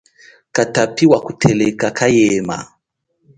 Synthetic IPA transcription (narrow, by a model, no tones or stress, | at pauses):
katapiwakutʰɛlɛkakʰajɛma̰